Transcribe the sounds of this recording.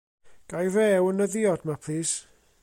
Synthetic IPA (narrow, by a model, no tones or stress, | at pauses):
ɡ̥ajrɛwənəðɪɔdmapʰliːs